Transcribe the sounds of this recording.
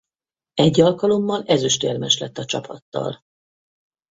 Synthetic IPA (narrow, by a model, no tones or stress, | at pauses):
ɛɟːɒlkɒlo̞mːɒlɛzøʃt̪ermɛʃlɛt̪ːɒt͡ʃɒpʰɒt̪ːɒ̰l